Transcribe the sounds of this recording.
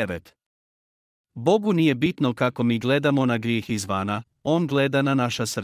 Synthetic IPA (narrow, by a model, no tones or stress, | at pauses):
eʋet̪ | bo̞ɡunije̞bit̪nokako̞miːɡle̞d̪amo̞naɡɾjeːxizʋana | o̞ːnɡled̪ananaʃasr